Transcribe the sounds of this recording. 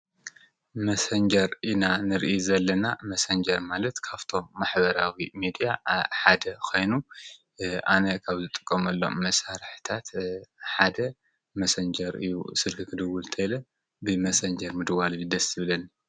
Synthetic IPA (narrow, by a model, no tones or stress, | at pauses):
mɐsɐnd͡ʒɐɾʔinanɨɾʔjizɐlːɐnamɐsɐnd͡ʒɐɾmalɐt̪kʰaβt̪ʰo̞mːaħbɐɾawimid̪ijaħad̪ɐkʰo̞jnu | ʔanɐkʰaβzɨt̪ʼɨ̥kʼːɐmɐlːo̞̰mːɐsaɾħɨ̥t̪ʰat̪ħad̪ɐ | mɐsɐnd͡ʒɐɾɨ̰jṵsɨlkʰɨkʰɨd̪ɨwult̪ʰɐjlɐ | bɨmɐsɐnd͡ʒɐɾmɨd̪ɨwalɨjɨd̪ɐsɨβɨlɐni